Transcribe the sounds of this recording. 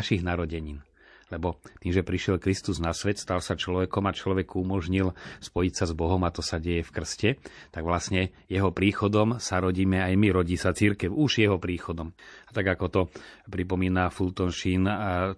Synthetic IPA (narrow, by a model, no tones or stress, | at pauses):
ʃiɣnaɾɔɟɛɲiːn | lɛbɔt̪iːmʒɛpɾiʃɛlkɾist̪uznasʋɛt̪st̪alsat͡ʃlɔʋɛkɔmat͡ʃlɔʋɛkuumɔʒɲilspɔjicsazbɔɦɔmat̪ɔsaɟɛjɛfkr̩scɛt̪aɡʋlasɲɛ | jɛɦɔpɾiːxɔd̪ɔmsaɾɔɟiːmɛajmiɾɔɟiːsat͡siɾkɛʊuʒjɛɦɔpɾiːxɔd̪ɔmat̪aɡakɔt̪ɔpɾipɔmiːnafult̪ɔnʃin